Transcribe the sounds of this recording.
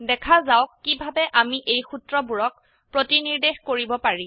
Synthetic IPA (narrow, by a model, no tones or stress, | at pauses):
dɛkʰazawkːibʱabɛʔamiʔejxutɹɔbuɹɔk̚ | pɹotiniɹdexkoɹibɔpaɹi